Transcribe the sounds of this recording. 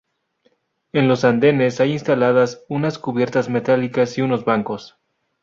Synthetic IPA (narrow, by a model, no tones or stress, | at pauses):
e̞nlo̞sand̪e̞ne̞sajinst̪alað̞asunaskuβje̞ɾt̪azme̞t̪alikasiuno̞zβaŋko̞s